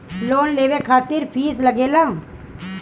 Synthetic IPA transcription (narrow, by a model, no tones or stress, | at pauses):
loːnleːʋekʰaːt̪ɪɾpʰiːslɐɡeːlãː